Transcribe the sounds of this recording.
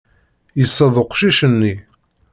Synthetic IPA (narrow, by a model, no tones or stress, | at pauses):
jəsˤːɑðˤoqʃiʃənːi